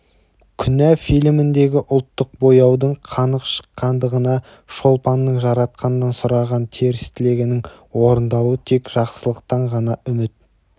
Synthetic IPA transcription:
kʲʰʏnæfijlmɪnd̪e̞ɡʲɪʔʊlˠt̪ːəq̚bojɑwd̪əɴqʰɑnəqʃə̥qːɑnd̪əʁənɑ | ʃo̞lˠpɑnːəɴʒɑɾɑt̪̚qɑnənɑnsʊɾɑʁɑnt̪ʰe̞ɾɪst̪ɪle̞ɡʲɪnɪŋ | wo̞ɾənd̪ɑlˠuət̪ʰe̞kʒ̥ɑqsəlˠəqt̪ɑɴʁɑnɑʏmɪt̪̚

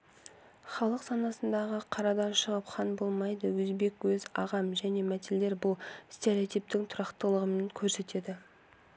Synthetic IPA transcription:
χɑlˠəqsɑnɑsənd̪ɑʁəqʰɑɾɑd̪ɑnʃəʁəpχɑnbo̞lˠmɑjd̪əwɵzbe̞kwɵzɑʁɑmʒæne̞mæt̪elːe̞ɾbʊlˠst̪ʲe̞ɾʲeot̪ijp̚t̪ɪŋt̪ʰʊɾɑqt̪əlˠəʁəmenkʲʰɵɾse̞t̪e̞d̪ɪ

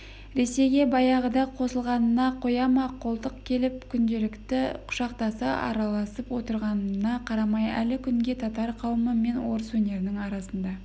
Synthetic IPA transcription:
ɾe̞se̞jɡʲe̞bɑjɑʁəd̪ɑqʰo̞səlˠʁɑnənɑqʰo̞jɑmɑqʰo̞lˠt̪əqkʲʰe̞lɪp̚kʲʰʏnd̪e̞lɪkt̪ɪqʰʊ̥ʃɑqt̪ɑsəʔɑ̰ɾɑlˠɑsəpwo̞t̪əɾʁɑnənɑqʰɑɾɑmɑjæ̰lɪkʲʰʏŋɡʲe̞t̪ʰɑt̪ɑɾqʰɑwəməme̞nwo̞ɾəswɵne̞ɾɪnɪŋɑɾɑsənd̪ɑ

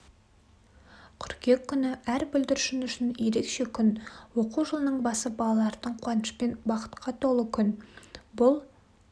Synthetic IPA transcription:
kʲʰʏɾkʲe̞kʲʰːʏnɪʔæɾbʏld̪ɪɾʃɪnʏʃɪnje̞ɾe̞kʃe̞kʲʰʏnwo̞quʒəlˠənəɴbɑsəbɑlˠɑlˠɑɾd̪əɴqʰwɑnəʃpenbɑqə̥t̪qʰɑt̪ʰo̞lˠəkʲʰʏnbʊlˠ

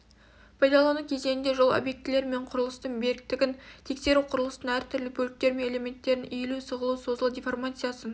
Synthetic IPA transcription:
pʰɑjd̪ɑlˠɑnukʲʰe̞ze̞nɪnd̪e̞ʒo̞lˠo̰bje̞k̚t̪ɪle̞ɾme̞ɴqʰʊɾəlˠəst̪əɴbe̞ɾɪk̚t̪ɪɡʲɪnt̪ʰe̞kse̞ɾuqʰʊɾəlˠəst̪əɴæɾt̪ʰʏɾlɪbʰɵlɪk̚t̪e̞ɾmene̞lʲe̞me̞nt̪ːe̞ɾɪnelusəʁəlˠuwso̞zəlˠud̪ʲijfo̞rmat̪sɨjasən

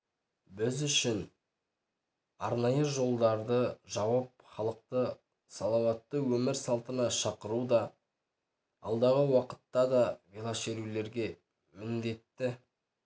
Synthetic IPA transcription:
bɪzʏʃɪn | ɑɾnɑjəʒo̞lˠd̪ɑɾd̪əʒɑwɑp̚χɑlˠəq̚t̪ə | sɑlˠɑwɑt̪ːəwɵmɪɾsɑlˠt̪ənɑʃɑqəɾud̪ɑ | ɑlˠd̪ɑʁəwɑqə̥t̪ːɑd̪ɑvilˠɑʃeɾule̞ɾɡʲe̞ | mɪnd̪e̞t̪ːɪ

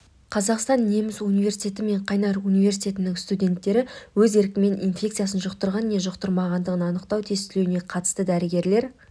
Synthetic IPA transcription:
qʰɑzɑqst̪ɑnːe̞mɪzunijve̞rsi̥t̪ʰʲe̞t̪ɪme̞ɴqʰɑjnɑɾunijve̞ɾsit̪ʲe̞t̪ɪnɪŋst̪ud̪ʲe̞nt̪ːe̞ɾɪwɵze̞ɾkʲɪme̞ninfʲe̞kt̪sɨjasənʒʊqt̪əɾʁɑnːe̞ʒʊqt̪əɾmɑʁɑnd̪əʁənɑnəqt̪ɑwt̪ʰest̪ɪlewɪne̞qʰɑt̪ə̥st̪əd̪æɾɪɡʲe̞ɾle̞ɾ

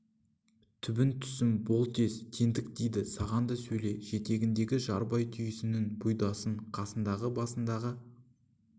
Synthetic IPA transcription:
t̪ʰʏbɪnt̪ʰʏ̥sɪmbo̞lˠt̪ʰe̞st̪ʲʰe̞nd̪ɪk̚d̪ejd̪ɪsɑʁɑnd̪əsɵjle̞ʒe̞t̪e̞ɡʲɪnd̪e̞ɡʲɪʒɑɾbɑjt̪ʰʏjɪsɪnɪŋbujd̪ɑsəɴqʰɑsənd̪ɑʁəbɑsənd̪ɑʁə

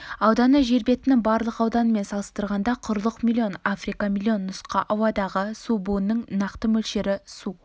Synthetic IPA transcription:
ɑwd̪ɑnəʒe̞ɾbe̞t̪ɪnɪŋbɑɾlˠəqɑwd̪ɑnəme̞nsɑlˠəst̪əɾʁɑnd̪ɑqʰʊɾlˠəqmʲilʲˠːio̞nafrijkɑmilʲˠːio̞nːʊsqɑʔɑwɑd̪ɑʁəsubonːəŋnɑqt̪əmɵlʃeɾɪssu

